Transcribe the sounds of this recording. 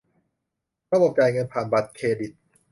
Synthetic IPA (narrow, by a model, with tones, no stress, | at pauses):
ɾa˧bo˨˩p̚t͡ɕaː˨˩jŋɤ˧npʰaː˨˩nba˨˩t̪̚kʰeː˧di˨˩t̪̚